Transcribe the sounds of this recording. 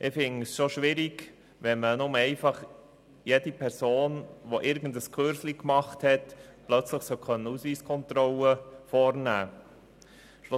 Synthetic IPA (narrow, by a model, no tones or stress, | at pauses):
ʔɪfɪŋsʃoʃʋɪɾiɡ | ʋɛnmənʊməɛɪfɑχ | jedipʰɛɾsoːnʋoʔɪɾɡən̩dəskʰøɾslikmɑχthɛtplœt͡sləχsœkʰœnːəusʋiːskʰɔnt̪ɾɔləfɔɾnæː | ʃlʊ